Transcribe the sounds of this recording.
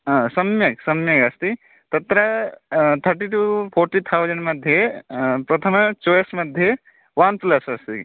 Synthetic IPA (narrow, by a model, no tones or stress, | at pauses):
ãsɐmjɐksɐmjɐkɐst̪i | t̪ɐt̪ɾɐ | t̪ʰəɾʈiʈupʰoɾʈit̪ʰawd͡ʒəɳɖmɐd̪ʱjepɾɐt̪ʰəmt͡ʃojesmɐd̪ʱje | wanslɐsɐst̪i